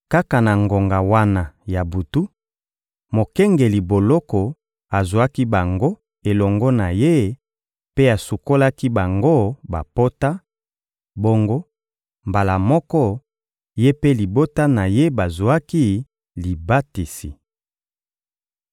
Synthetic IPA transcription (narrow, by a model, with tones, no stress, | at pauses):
ka˦ka˨na˨ŋɡo˨ŋɡa˨wa˦na˨ja˨bu˨tu˦ | mo˨kɛ˦ŋɡe˨li˨bo˨lɔ˦kɔ˨ | a˨zwa˦ki˦ba˨ŋɡo˦ | e˨lɔ˨ŋɡɔ˦na˨je˦ | pe˦a˨su˨ko˦la˦ki˦ba˨ŋɡo˦ba˨po˦ta˦ | bo˦ŋɡo˦ | mba˨la˨mɔ˦kɔ˦ | je˦pe˦li˨bo˦ta˦na˨je˦ba˨zu˨a˦ki˦ | li˨ba˦ti˨sḭ˨